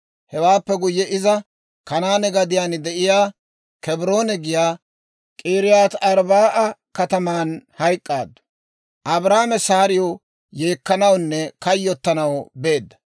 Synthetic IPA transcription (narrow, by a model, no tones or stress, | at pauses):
hɛwaːpːɛɡʊjːɛʔɪzɐ | kɐnaːnɛɡɐd̪ɪjaːnd̪ɛʔɪjaː | kɛbɾo̞ːnɛɡɪjaː | kʼiːɾɪjaːt̪ɐɾbaːʔɐkɐt̪ɐmaːnhɐjkʼːaːd̪ːʊ̥ | ʔɐbɾaːmɛsaːɾɪjɔ | jeːkːɐnɐwnːɛkɐjːɔt̪ːɐnɐwbe̞ːd̪ːɐ̥